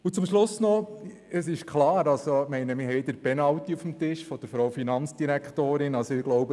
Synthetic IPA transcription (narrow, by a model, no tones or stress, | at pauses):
ut͡sʊmʃlʊsnɔ | əsɪʃkχlɑːɾɑlsomɛɪnəmɪɾɦɛɪd̪əɾpɛnɑwt̪iufm̩t̪ɪʃfɔd̥əɾfɾowfinɑnt͡sd̥iɾækχt̪oːɾɪnɑlsoɪɡlɔʊbə